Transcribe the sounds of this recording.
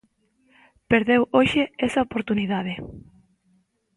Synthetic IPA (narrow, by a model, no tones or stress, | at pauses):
peɾðewoʃeesɐopoɾt̪uniðaðe